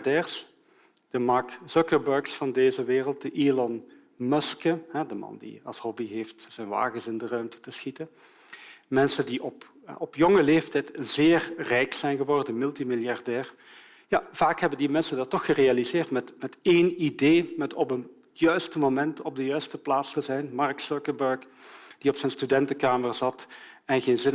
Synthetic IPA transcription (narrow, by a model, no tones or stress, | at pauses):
dɛːrs | d̥əmɑɹksʊkəɹbəɹksfɑndeːzəʋeːrəlˠt̚d̥əʔiːlɔn | mœskəɦɛdəmɑ̰ndḭɑ̰lˠshɔbiɦeːftz̥ɛnʋa̰ːɣənsɪndərœɥmtə̥təsxitən | mɛnsəndiʔɔp | ɔpjɔŋəleːftɛjtəzɪːrrɛjksɛjnɣəʋɔrdənmɪlˠtimiljɑrdɛːr | jav̥aːkɦɛbəndimɛnsəndɑtːɔxərealizɪːrtmɛtmɛteːnideːmɛtɔpən | jœɥstəmomɛntɔb̚dəjœɥstəplaːtstəzɛjnmɑrksɔkəbœɹk | d̥iɔpsɛnstydɛntəkaːmərzɑtɛnɣeːnzɪn